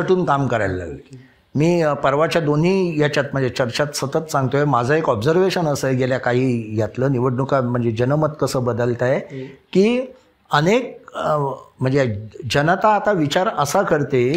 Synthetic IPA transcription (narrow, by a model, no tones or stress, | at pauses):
əʈʰuːnkamkəɾajlːa̰ɡ | miːpəɾʋat͡ɕjad̪on̤ɦiːjat͡ɕat̪̚m̤əɳd͡zet͡ɕəɾt͡ɕat̪sət̪ət̪sãŋɡt̪ojemad͡zʱaekɔbd͡zəɾʋeɕənəsəːɡeljakaɦiːjat̪ləːniʋ̤əʈnukam̤əɳd͡zed͡ʑənəmət̪kəsəːbəd̪əlt̪ajekiː | ənek̚ | m̤əɳd͡zed͡ʑənət̪aːt̪aʋit͡ɕaɾəsakəɾt̪e